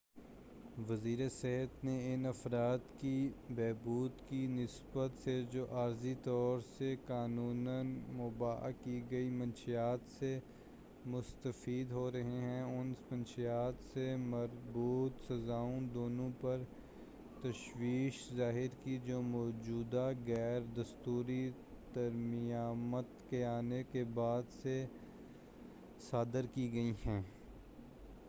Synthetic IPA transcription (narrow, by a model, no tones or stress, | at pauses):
ʋɐziːɾesɪɦət̪neɪnɐfɾaːt̪kibɛːbuːd̪kinɪsbət̪sed͡ʒoːʔaːɾzit̪ɔːɾsekaːnuːnənmʊːba̰ːkiɡɐimɐ̃nʃijaːt̪se | mʊst̪əfiːd̪ɦoɾɐɦeɦɛ̃ʊnmɐnʃijaːt̪semɐɾbuːt̪sɐzaːõd̪oːnõpɐɾ | t̪ɐʃwiːʃzaːɦɪɾkid͡ʒoːmɔːd͡ʒuːd̪aɣɛːɾd̪ɐst̪uːɾi | t̪ɐɾmijaːmət̪keaːnekebaːd̪se | saːd̪əɾkiɡɐiɦɛ̃ː